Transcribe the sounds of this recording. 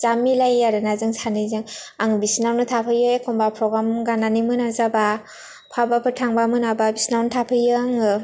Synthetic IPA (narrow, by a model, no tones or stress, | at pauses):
zamilajaɾɯnazɯŋsʰanɯzɯŋaŋbisnawnɯtʰapʰɯjɯjkʰɔmbapʰɾɔɡɾamɡananimɯnazaba | pʰabapʰɯtʰaŋbamɯnababisnawnɯtʰapʰɯjɯŋɯ